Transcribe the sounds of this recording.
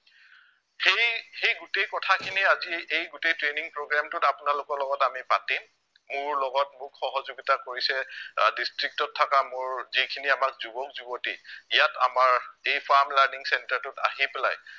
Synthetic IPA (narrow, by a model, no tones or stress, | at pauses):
xejxejɡutejkɔtʰakʰiniaziejɡutejtɹeniŋpɹoɡɹamtʊtapʊnalʊkɔɹlɔɡɔtamipatimː | ʊɹlɔɡɔtmʊkxɔɦɔzoɡitakoɹisɛdistɹik̚tɔtʰːakamʊɹzikʰiniamak̚zubɔk̚zubotiijata̰maɹejpʰaɹmlaɹniŋsɛntaɹtʊta̰ɦipela̰j